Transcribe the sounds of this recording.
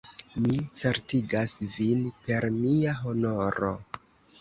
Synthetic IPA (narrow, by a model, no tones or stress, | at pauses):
mit͡seɾtiɡasvinpe̞ɾmiaɦo̞no̞ɾo̞̰